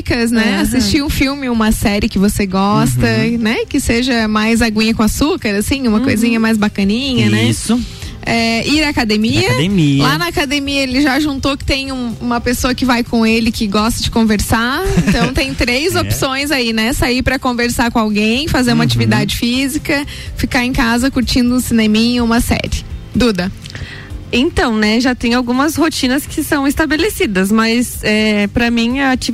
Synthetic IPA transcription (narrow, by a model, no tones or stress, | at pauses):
kɐznɛasist͡ʃt͡ʃiũfiwmɪũmɐsɛɾɪkɪvoseɡɔst̪ɐnɛkɪseʒɐmajzaɡũɲɐkõasukɐɾasĩũmɐkojzĩɲɐmajzbakɐnĩɲɐnɛsʊ | ɛiɾɐːkad̪emiɐemilanɐakad̪emiɐelɪʒaʒũnt̪okɪ̥t̪ẽj̃ũũmɐpesoɐkɪvajkõelɪkɪɡɔst̪ɐd͡ʒɪkõveɾsaẽnt̪ɐ̃w̃t̪ẽj̃t̪ɾejzopsõj̃zainɛsaipɾɐkõveɾsaɾkõawɡẽj̃fazeɾũmɐat͡ʃivid̪ad͡ʒɪfizikɐ | fikaɾẽj̃kazɐkuɾt͡ʃĩnd̪ʊũsinemĩɲʊũmɐsɛ̰ɾɪd̪ud̪ɐ | ẽnt̪ɐ̃w̃nɛʒat̪ẽj̃awɡũmɐshot͡ʃĩnɐskʰɪsɐ̃w̃ɪst̪abelesid̪ɐsmɐsɛpɾɐmĩɐt͡ʃi